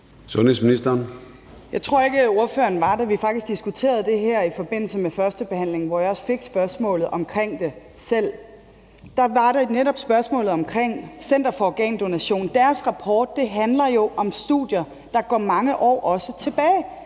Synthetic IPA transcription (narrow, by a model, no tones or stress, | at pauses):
sɔnhes̬minisd̥ɐn | jɑ̈ɪt͡sʰʁo̝ɐ̰e̝ɡ̥əo̝ɐføːɐn̩ʋɑ̈d̥æʋifɑ̈ɡ̥̚d̥isɡ̥d̥isɡ̥ut͡sʰe̝̰ːɐð̞̩ˠd̥e̝ɦæɐ̰ifɒ̽b̥e̝n̰l̩səmefɶɐsd̥əb̥e̝hæn̰le̝ŋ̩ʋɒjɑ̈ɒ̽sfe̝ɡ̥sb̥ɶɐsmɔ̰̽ːlð̩ˠʔɒ̽mkʰʁeŋ̰d̥e̝ | sel̰ | d̥ɑ̈ʋɑ̈ɾ̥eneɾɒ̽b̥sb̥ɶɐsmɔ̰̽ːlð̩ˠɒ̽mkʰʁeŋ̰sen̰d̥ɐfɒɒɡ̥ɛ̰ːnd̥o̝næɕo̝̰ːnd̥æːɐsʁɑ̈pʰɒːd̥̚ːe̝ɦænlɐjo̝ʔɒ̽msd̥ṵðˠjɐ | d̥ɑ̈ɡ̥ɒ̰ːmɑ̈ŋəʔɒ̰ːʔɒ̽sət͡sʰe̝b̥ɛːɪ